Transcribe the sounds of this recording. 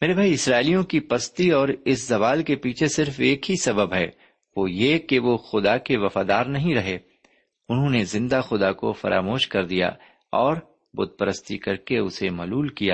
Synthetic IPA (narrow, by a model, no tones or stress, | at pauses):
meːɾebʱaːiɪsɾaːɪlijõkipɐst̪iɔːɾɪszɐʋaːlkepiːt͡ʃʰesɪɾfeːkɦisɐbəbɦɛ̰ː | ʋoːjekeʋoxʊd̪akeʋɐfaːd̪aːɾnɐɦĩɾɐɦeː | ʊnɦõːnezɪ̃nd̪axʊd̪ako̰fɐ̰ɾʔa̰ːmoːʃkɐɾd̪ija̰ | ɔːɾ | bʊd̪̚pəɾəst̪ikɐɾkeʊsemɐːluːlkijaː